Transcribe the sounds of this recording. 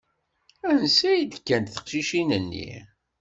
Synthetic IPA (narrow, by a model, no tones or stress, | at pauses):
ænsæjid̪kːænt̪θə̥qʃiʃinənːḭ